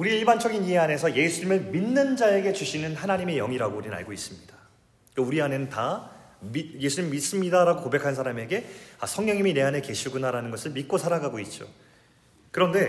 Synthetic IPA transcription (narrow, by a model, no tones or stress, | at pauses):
uɾieiɭband͡ʑʌɡiniɦe̞ane̞sʰʌje̞sʰuɲimɯɭminːɯnd͡ʑae̞ɡe̞t͡ɕuɕʰinɯnhanaɲime̞jʌŋiɾaɡouɾinɯna̰ɭɡois͈ɯmɲid̥ḁ | kʌuɾiane̞nɯnta | mije̞sʰuɲimimis͈ɯmɲidaɾaɡokobekʰansʰaɾame̞ɡe̞asʰʌŋɲjʌŋimine̞anɦe̞ke̞ɕʰiɡunaɾanɯnɡʌsʰɯɭmit̚k͈osʰaɾaɡaɡoit̚t͡ɕ͈o̰ | kɯɾʌnde̞